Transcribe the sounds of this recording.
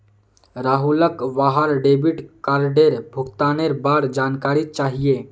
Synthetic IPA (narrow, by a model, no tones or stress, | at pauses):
ɾaːɦuləkʋaɦəɾɖebiʈkaːɾɖeɾbʱuɡt̪aːneɾbaːɾd͡ʒaːnkaːɾit̪̚t͡ʃaːɦije